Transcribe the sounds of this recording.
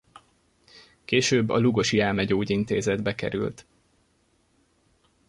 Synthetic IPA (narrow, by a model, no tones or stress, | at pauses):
keːʃøːbːɒ̰luɡo̞ʃjɛlmɛɟoːɟint̪eːzɛd̪bɛkɛ̰ɾy̰lt̪